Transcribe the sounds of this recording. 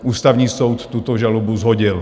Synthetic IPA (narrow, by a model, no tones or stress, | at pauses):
uːst̪aʊɲiːsɔwt̪ːut̪ɔʒalɔbuzɦɔɟil